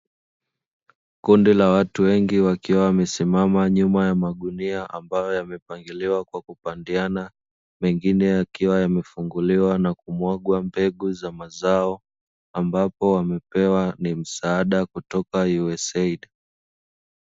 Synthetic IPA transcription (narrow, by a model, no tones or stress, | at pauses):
kundilawatuwɛŋɡiwakiwawamɛsimamaɲumajamaɗuniaʔambajɔjamɛpaŋɡiliwakwakupandiana | mɛŋɡinɛjakiwajamɛfuŋɡuliwanakumwaɡwambɛɠuzamazaɔ | ambapɔwamɛpɛwanim̩saaɗakutɔkajuɛsɛiɗa